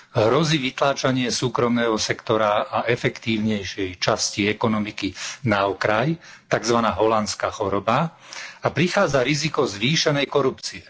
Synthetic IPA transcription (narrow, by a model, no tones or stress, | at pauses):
ɦɾɔziːʋit̪laːt͡ʃaɲɪɛsuːkɾɔmnɛːɦɔsɛkt̪ɔɾaaʔɛfɛkt̪iːʊɲɛjʃɛjt͡ʃasciɛkɔnɔmikinaɔkɾajt̪aɡzʋanaːɦɔlant͡skaːxɔɾɔba | apɾixaːd͡zaɾizikɔzʋiːʃɛnɛjkɔɾupt͡siɛ